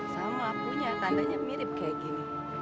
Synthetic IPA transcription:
samapuɲakadaɲamiɾɪp̚kaɡi

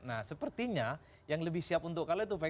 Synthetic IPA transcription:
nahsəpərt̪iɲa | jaŋləbɪhsiapunt̪ʊkalot̪̬upa

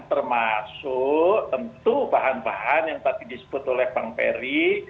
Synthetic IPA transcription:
t̪ərmasʊʔt̪ənt̪ubaɦanbaɦanjaŋt̪adidisə̥b̥ʊt̪olɛhb̥aŋpɛ̰ɾi

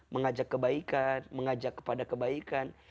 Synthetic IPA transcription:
məŋad͡ʒakːəbaikanməŋad͡ʒakːə̥padakəbaikan

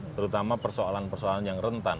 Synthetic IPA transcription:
t̪əɾut̪amapərsoalanpərsoalanjaŋrənt̪an

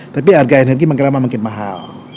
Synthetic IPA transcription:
t̪ap̬iarɡainɦərɡimaŋkalamamaŋkɪnmaɦa̰l

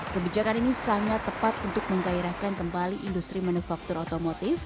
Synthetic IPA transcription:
kəbid͡ʒakaninisaŋat̪ːəpat̪unt̪ʊk̚məŋɡaiɾahkankəmbaliʔindust̪ɾimanufak̚t̪uɾot̪omot̪ɪf

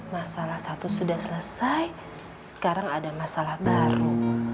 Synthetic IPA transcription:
masalahsat̪usudahsələsaj | sə̥kaɾaŋadamasalahbaɾu

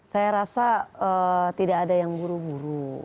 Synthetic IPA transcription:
sajaɾasaət̪idaːdajaŋbuɾubuɾu

